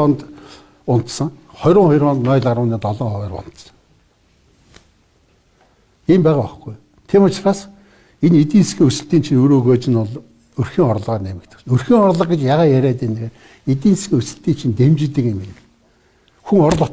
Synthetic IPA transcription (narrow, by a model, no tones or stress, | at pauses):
ɔnt̪ | ʊn̥t̪sə̆ŋχɔjɾʊːŋχɔjrɔːnt̪nɔːjɮaɾwə̆niːt̪ɔɮɔːŋχɔɣæːrpɔ̰n̥t̪sə̥̆ŋ | empæːʁaːɔχɡuj | t̪ʰimʊt͡ɕraːs | enet̪̬iːnskʲiːŋusɘ̆ɬt̪iːnt͡ɕʰinɵːɾoːɣoːt͡ɕɪ̆nɔɮ | ɵrxiːŋɔɾ̆ɮʁaːrnemɘ̆kt̪ʰɘ̥̆sɵrxiːŋɔrɮə̆qɡĕt͡ɕjaʁaːjæɾʲæːt̪eːneɣeːr | et̪iːnsɡʲiːŋusɘ̆ɬt̪iːnt͡ɕʰint̪emt͡ɕɪ̆t̪ːɘ̆kemenɘ̆ | xuŋɔɾ̆ɮʊ